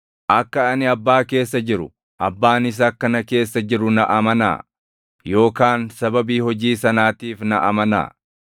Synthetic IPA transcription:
ʔɐkːɐɐnɪɐbːaːke̞ːsːɐd͡ʒɪɾʊ | ʔɐbːaːnɪs̬ɐkːɐnɐke̞ːsːɐd͡ʒɪɾʊnɐʔɐmɐna̰ː | jo̞ːkaːnsɐbɐbiːhɔd͡ʒiːsɐnaːt̪iːfnɐʔɐ̰mɐna̰ː

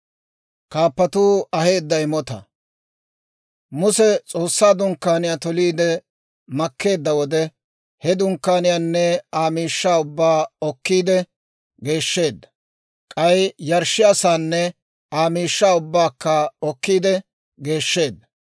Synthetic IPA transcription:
kaːpːɐt̪uːɐhe̞ːd̪ːɐjɪmɔt̪ɐ̰ | mʊsɛt͡sʼo̞ːsːaːd̪ʊŋkːaːnɪjaːt̪ɔliːd̪ɛ | mɐkːe̞ːd̪ːɐwɔd̪ɛ | hɛd̪ʊŋkːaːnɪjaːnːɛaːmiːʃːaːʊbːaːɔkːiːd̪ɛ | ɡe̞ːʃːe̞ːd̪ːɐ̥ | kʼɐjjɐɾʃːɪjɐsaːnːɛ | aːmiːʃːaːʊbːaːkːɐɔkːiːd̪ɛ | ɡe̞ːʃːe̞ːd̪ːɐ

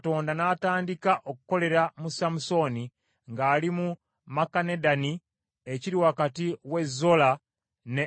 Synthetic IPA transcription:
to̞ːndanaːtaːndikaʔo̞kuko̞le̞ɾamusamuso̞ni | ŋɡaːlimu | makanedani | eciɾiwakatiwe̞zːo̞la | ne

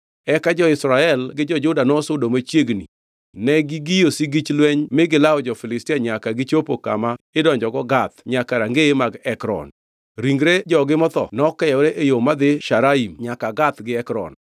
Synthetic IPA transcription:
ɛkad͡ʒɔɪsɾaɛlɡɪd͡ʒɔd͡ʒʊdanɔsʊdomot͡ʃjeɡnḭ | nɛɡiɡijosiɡit͡ʃlwɛɲmɪɡɪlaɔd͡ʒɔfɪlɪstɪaɲakaɡɪt͡ʃopoka̰maɪdɔɲd͡ʒɔɡɔɡat̪ɲakaɾaŋɡeemaɡɛkɾɔ̰n | ɾiŋɡɾed͡ʒɔɡɪmɔt̪ɔ̰nɔkɛjɛɾeʔejomad̪ɪʃaɾaimɲakaɡat̪ɡɪɛkɾɔ̰n

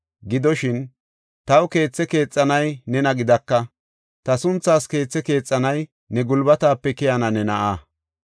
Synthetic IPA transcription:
ɡɪd̪ɔʃɪn | t̪ɐwke̞ːt͡sːɛke̞ːt͡sʼːɐnɐjnɛnɐɡɪd̪ɐkːɐ | t̪ɐsʊnt͡sːaːske̞ːt͡sːɛke̞ːt͡sʼːɐnɐj | nɛɡʊlbɐt̪aːpːɛkɛjɐnɐnɛnɐʔaː

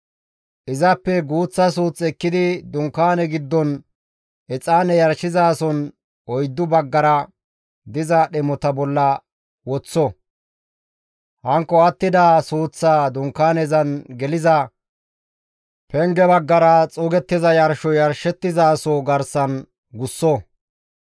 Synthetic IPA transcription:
ʔɪzɐpːɛɡuːt͡sːɐs̬uːt͡sʼːɛkːɪd̪ɪd̪ʊŋkːaːnɛɡɪd̪ːɔn | ʔɛt͡sʼaːnɛjɐɾʃɪzaːsɔn | ʔɔjd̪ːʊbɐɡːɐɾɐ | d̪ɪzɐɗɛmɔt̪ɐbɔlːɐ | wɔt͡sːɔ | hɐŋkːɔɐt̪ːɪd̪aːsuːt͡sːaːd̪ʊŋkːaːnɛzɐnɡɛlɪzɐ | pɛŋɡɛbɐɡːɐɾɐt͡sʼʊɡɛt̪ːɪzɐjɐɾʃɔjɐɾʃɛt̪ːɪzaːsoɡɐɾsɐn | ɡʊsːɔ

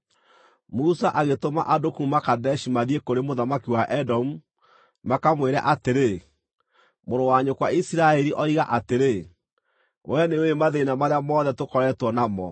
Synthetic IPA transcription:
musaʔaɣetoma̰ʔadokumakadɛʃimaðiekoɾemoðamakiwaʔɛdɔmu | makamweɾa̰ʔateɾe | moɾowaɲokwaisiɾaɛɾiʔɔiɣaʔateɾe | wɛneoemaðeinamaɾeamɔːðɛtokɔɾɛtwɔnamɔ

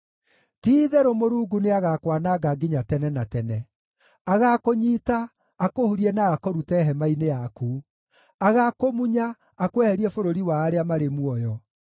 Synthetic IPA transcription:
tiːðɛɾomoɾuːɡuneaɣakwanaɡaɡiɲatɛnɛnatɛnɛ | aɣakoɲiːtaː | kohuɾiɛnaːkɔɾutɛɦɛmainejakuː | aɣakomuɲaː | kwɛhɛɾiɛfoɾoɾiwaːɾeamaɾemwɔjɔ

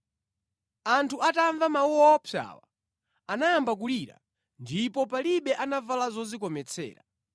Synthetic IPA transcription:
antʰuʔataɱvamauɔːpʰja̰wa̰ | anajambak̬uliɾa̰ | ndipɔpaliɓɛʔanavalazɔzikɔmɛt͡sʰɛ̰ːɾa̰

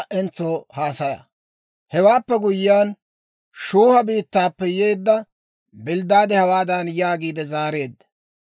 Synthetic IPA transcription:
ʔɛnt͡sːoːhaːsɐjɐ̰ | hɛwaːpːɛɡʊjːaːn | ʃuːhɐbiːt̪ːaːpːɛjeːd̪ːɐ | bɪld̪ːaːd̪ɛhɐwaːd̪ɐnjaːɡiːd̪ɛzaːɾe̞ːd̪ːɐ̥

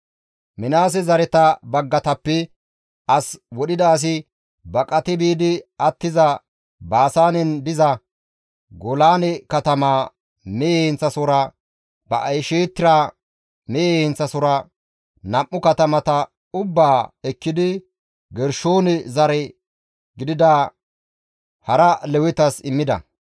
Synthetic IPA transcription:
mɪnaːs̬ɛzɐɾɛt̪ɐbɐɡːɐt̪ɐpːɛ | ʔɐswɔɗɪd̪ɐːs̬ɪ | bɐkʼɐt̪ɪbiːd̪ɪɐt̪ːɪzɐ | baːsaːnɛnd̪ɪzɐ | ɡɔlaːnɛkɐt̪ɐmaː | meːhɪnt͡sːɐsɔɾɐ | bɐʔɐjʃeːt̪ːɪɾaː | meːhɪnt͡sːɐsɔɾɐ | nɐʔʔːʊkɐt̪ɐmɐt̪ɐ | ʊbːaːɛkːɪd̪ɪ | ɡɛɾʃoːnɛzɐɾɛ | ɡɪd̪ɪd̪a | hɐɾɐlɛwɪt̪ɐsɪmːɪd̪ɐ̰

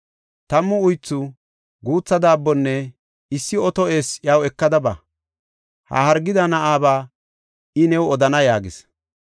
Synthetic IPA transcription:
t̪ɐmːʊʊjt͡sːʊ | ɡuːt͡sːɐd̪aːbːɔnːɛ | ɪsːɪɔt̪ɔʔeːsjɐwɛkːɐd̪ɐbɐ̰ | hɐ̰hɐɾɡɪd̪ɐnɐʔaːbaː | ʔɪnɛwɔd̪ɐnɐjaːɡɪs

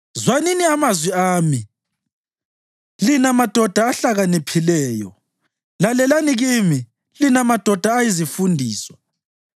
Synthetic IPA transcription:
zwaniniamazwiaːmi | linamad̥ʱɔd̥ʱaːɬaɣanipʰilɛːjɔ̰ | lalɛlaniɣiːmi | linamad̥ʱɔd̥ʱaːjizifundʱiːsɔ̥

